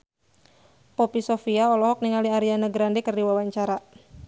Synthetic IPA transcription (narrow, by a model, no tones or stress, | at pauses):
popisofiaɔlɔɦɔk̚niŋaliaɾianəɡɾandekərdiwawaɲt͡ʃaɾa